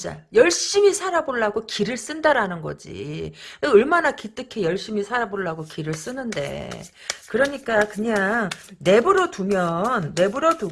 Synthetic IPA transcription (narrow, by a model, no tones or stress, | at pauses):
t͡ɕ͈a̰jʌɭɕ͈imisʰaɾaboɭːaɡokiɾɯɭs͈ɯndaɾanɯnɡʌ̰d͡ʑḭ | ʌɭmanakit͈ɯkʰe̞jʌɭɕ͈imisʰaɾaboɭːaɡokiɾɯɭs͈ɯnɯnde̞̰ | kɯɾʌɲik͈akɯɲaŋne̞bɯɾʌtumjʌnːe̞bɯɾʌdu